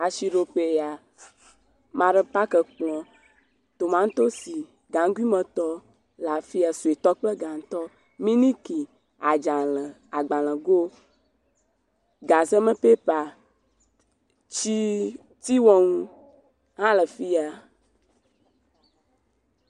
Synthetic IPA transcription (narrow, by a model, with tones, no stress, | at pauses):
a˨ʃi˨ɖo˨pe˨ja˨ | mã˨ɖə˦pa˦kə˨k͡plɔ̃˨ | t̪o˨mã˦ŋ̩˦t̪o˦si˨ | ɡã˨ŋ˦ɡi˦mə̃˨t̪ɔ˦ | la˨fi˦a˨su˨e˨t̪ɔ˦k͡plə˦ɡã˨ŋ̩˨˦t̪ɔ˦ | mĩ˦nĩ˦ki˨ | a˨d͡ʒã˨lə˨ | a˨ɡ͡bã˨l̃ə̃˨ɡo˦ | ɡa˨zə˦mə̃˦pe˦pa˨ | t͡ʃi˦ | t̪i˦wɔ˦ŋũ˦ | hã˦lə˨fi˦a˨